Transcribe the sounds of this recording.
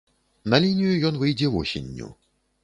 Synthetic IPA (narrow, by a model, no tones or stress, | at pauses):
nɐlʲinʲijujɔnvɨjd͡zʲɛvɔsʲḛnʲːṵ